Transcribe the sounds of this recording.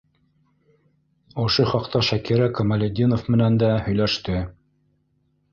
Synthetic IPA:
ŏʃoχɑqt̪ɑʃækiɾækɐmalʲed̪ʲinŏfmɘ̆nænd̪æhɵ̆jlæʃt̪ɘ

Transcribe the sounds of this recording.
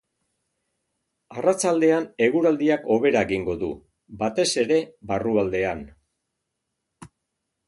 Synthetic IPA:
arat͡sald̪e̞ane̞ɣuɾald̪iako̞β̞e̞ɾaeɣiŋɡo̞ðṵ | bat̪e̞se̞ɾe̞βaruald̪e̞an

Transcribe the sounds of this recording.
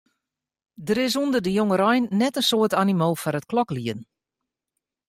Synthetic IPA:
dəɾɪs̬undədəjoŋəɾɔjnːɛtənsoətanimoːlˠfɔɾət̚klɔkliən

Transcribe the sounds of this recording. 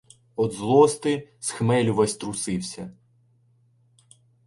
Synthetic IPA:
ɔd̪zlˠɔst̪ɪsxmɛlʲʊʋɐsʲt̪ɾʊsɪwsʲɐ

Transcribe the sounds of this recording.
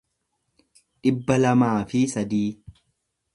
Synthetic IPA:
ᶑɪbːɐlɐmaːfɪsɐd̪iː

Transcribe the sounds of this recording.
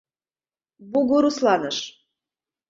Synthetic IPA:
buɣoɾuslɑnɤʃ

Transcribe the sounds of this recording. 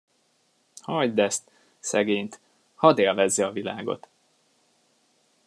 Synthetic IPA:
hɒjd̪ɛst̪ | sɛɡeːɲt̪ | hɒd̪eːlvɛzːɛɒvilaːɡo̞̰t̪

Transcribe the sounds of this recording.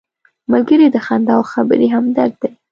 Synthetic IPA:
malɡəɾid̪əxand̪ɑwxabə̰ɾiɦamd̪aɾ̚d̪e

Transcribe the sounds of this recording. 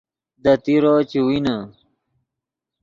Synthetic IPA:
d̪ɐt̪iɾot͡ɕiwina

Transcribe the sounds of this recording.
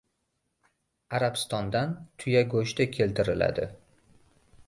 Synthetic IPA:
aɾapst̪ɒnd̪ant̪ʰʊjaɡoʃt̪ɪkʲʰe̞lt̪ɪɾɪla̰d̪ɪ̰

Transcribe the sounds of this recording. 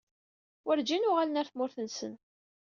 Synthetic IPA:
wəɾd͡ʒinʊʁalənæɾθmʊɾθənsən

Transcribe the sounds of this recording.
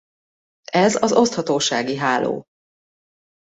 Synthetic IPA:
ɛzɒzo̞st̪hɒt̪oːʃaːɡiɦaːlo̰ː

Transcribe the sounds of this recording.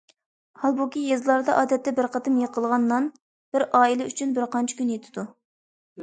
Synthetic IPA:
hɑlˠbukʲijezlˠɑɾd̪ɑʔɑːd̪ɛt̪ːɛbɪɾqʰɑt̪ʰɨmjeqʰəlˠʁɑnːɑn | b̥ɪɾɑːilɛʔyt͡ʃʰynbɪɾqɑnt͡ʃʰi̥kʲynjet̪ʰɪ̥d̪u

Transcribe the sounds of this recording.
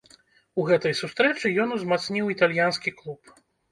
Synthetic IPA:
uɣɛt̪ɐjsust̪ɾɛt͡ʂɨjɔnuzmat̪snʲiwit̪alʲjanskʲiklˠup

